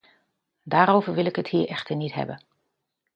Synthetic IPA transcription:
daːɾoːvərʋɪlˠɪkəthiːɹʔɛxtərnithɛ̰bə

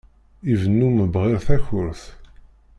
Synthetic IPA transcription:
ivənːuməbʁɪɾθæçʊɾθ

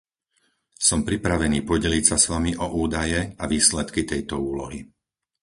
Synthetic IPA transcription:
sɔmpɾipɾaʋɛniːpɔɟɛlicsasʋamiʔɔʔuːd̪ajɛaʋiːslɛt̪kit̪ɛjt̪ɔuːlɔɦi

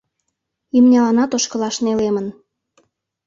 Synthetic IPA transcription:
imnʲɑlɑnɑt̪oʃkəlɑʃnelemən

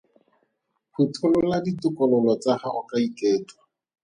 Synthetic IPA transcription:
hutʰʊlʊladitʊkʼɔlɔlɔt͡sahaʔɔkaikʼeːtwḁ

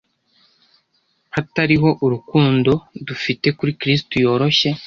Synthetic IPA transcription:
hataɾiɦo̞ʔuɾukuːndo̞dufite̞kuɾikɾiːstujo̞ːɾo̞çe̞

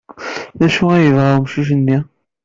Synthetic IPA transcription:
læʃuæjəvʁamʃiʃ̬ənːi

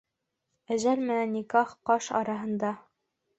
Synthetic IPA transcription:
æzælmɘ̆nænːikɑχqɑʃɑ̰ɾɑɦɤ̆nd̪ɑ

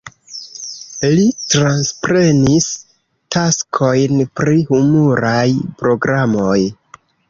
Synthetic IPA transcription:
litɾanspɾe̞nis | taskʰo̞jnpɾihumuɾajpɾo̞ɡɾamo̞j

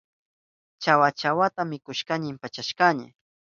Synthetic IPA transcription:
t͡ʃawat͡ʃawat̪amɪkʊʃkaɲɪmpat͡ʃaʃkaɲɪ̰

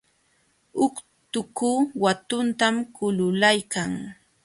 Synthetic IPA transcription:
ʊk | t̪ʊkuːwat̪ʊnt̪amkʊlʊlajkaŋ

